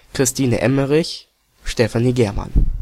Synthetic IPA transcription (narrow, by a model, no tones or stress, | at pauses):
kʁ̥ɪstʰiːnə̰ʔɛməʁɪç | ʃtɛfaniːɡɛɐma̰n